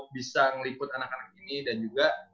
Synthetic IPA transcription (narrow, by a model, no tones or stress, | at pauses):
bisaŋəlipʊt̪anakanak̚inidand͡ʒuɡa